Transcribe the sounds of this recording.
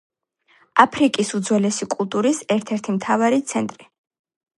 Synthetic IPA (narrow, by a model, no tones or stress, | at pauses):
apʰɾikʼisud̪zwɛlɛsikʼulˠt̪ʼuɾisɛɾt̪ʰɛɾt̪ʰimt̪ʰavaɾit̪sʰɛnt̪ʼɾi